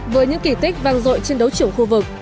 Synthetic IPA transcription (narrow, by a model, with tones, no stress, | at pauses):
vəː˨˦jɲɨ̰˧˥ŋki˧˩t̪i˦˥k̟̚vaː˨˧˩ŋzo̰˧˨jt͡ɕe˧nɗə˨˦wt͡ɕɨ˧˩əŋxu˧vɨ˨˩k̚